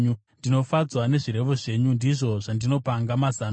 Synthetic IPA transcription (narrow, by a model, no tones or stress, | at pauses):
ɲu | ndino̞fad͡zwane̞ʐiɾe̞ʋo̞ʐe̞ːɲundiʐo̞ʐandino̞paŋɡamazan